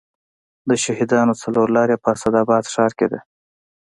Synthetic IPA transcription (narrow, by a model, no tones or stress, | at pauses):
d̪əʃaɦid̪ɑnot͡saloɾlɑɾepəasad̪ɑbɑd̪ʂɑɾked̪ḛ